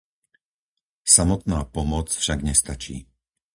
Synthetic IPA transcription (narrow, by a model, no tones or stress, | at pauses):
samɔt̪naːpɔmɔt͡sfʃaɡɲɛst̪at͡ʃḭː